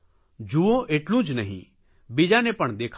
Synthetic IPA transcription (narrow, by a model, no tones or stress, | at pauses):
d͡ʒuõʔeːʈlũd͡ʒnɐɦḭ̃ | bid͡ʒanepɐɳ̃d̪eːkʰ